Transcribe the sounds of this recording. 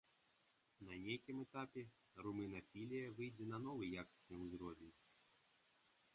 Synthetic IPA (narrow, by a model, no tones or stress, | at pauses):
nɐnʲejkʲimɛt̪apʲɛ | rumɨnɐfʲilʲijɐvɨjd͡zʲɛnɐn̪ɔvɨjjakɐ̥sʲnʲɨmzɾɔvʲinʲ